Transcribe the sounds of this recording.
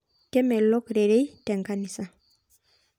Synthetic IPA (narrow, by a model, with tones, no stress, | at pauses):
kɛ˦mɛ˨lɔ˦kɾe˨ɾe˦jtɛ˨ŋka˨ni˨sa˨